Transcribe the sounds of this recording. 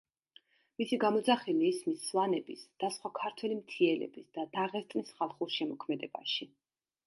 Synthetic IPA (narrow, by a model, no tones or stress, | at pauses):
misiɡamɔd̪zaχɛliːsmisːlˠanɛbisd̪̥asχwakʰaɾt̪ʰwɛlimt̪ʰiɛlɛ̰bisd̪ad̪aʁɛst̪ʼnisχalˠχuʃɛmɔkʰmɛd̪ɛba̰ʃi